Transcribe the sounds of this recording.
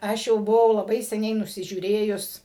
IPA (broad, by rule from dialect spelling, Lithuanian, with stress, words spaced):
ˈɐʃ jɛʊ bʊˈʋɐʊ lˠɐˈbɐɪ sʲɛˈnʲɛɪ nʊsʲɪʒʲuːˈrʲeːjʊs